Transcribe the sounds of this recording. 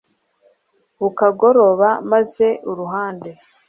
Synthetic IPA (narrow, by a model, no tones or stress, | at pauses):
ukaɡo̞ɾo̞βamaze̞ʔuɾuɦaːnde̞